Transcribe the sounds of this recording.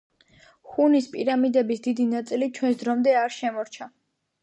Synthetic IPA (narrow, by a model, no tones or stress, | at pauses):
χunispʼiɾamid̪ɛbisd̪id̪inat̪sʼilit͡ʃʰwɛns̬d̪ɾɔmd̪ɛaɾʃɛmɔɾt͡ʃʰa